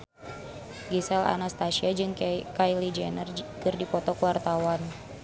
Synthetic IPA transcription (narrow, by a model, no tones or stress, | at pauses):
ɡisɛla̰nast̪asiad͡ʒɨŋkajlid͡ʒɛnərkɨrdipɔt̪ɔkəwart̪awan